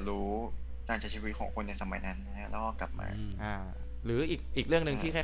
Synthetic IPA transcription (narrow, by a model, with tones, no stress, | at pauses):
ɾuː˦˥ | kaː˧nt͡ɕʰi˩˦t͡ɕʰiː˧˩wi˦t̪̚kʰɔː˨˩˦ŋkʰo˧nːa˧jsa˧ma˨˩˦jna˦˥nːa˧kʰa˦˥ʔlɛː˦˥wkɔː˥˩kla˨˩p̚ma̰ː˧ʔaː˧˩ | ɾɯː˩˦ʔiː˨˩k̚ʔiː˨˩k̚ɾɯ˥˩əŋnɯ˧ŋt̪ʰiː˥˩kʰa˥˩